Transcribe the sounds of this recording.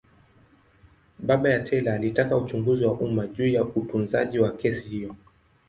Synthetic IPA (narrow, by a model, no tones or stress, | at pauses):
ɓaɓajatʰɛlaːlitakaut͡ʃuŋɡuziwaʔumaʄuːjautunza̰ʄiwakɛsihijɔ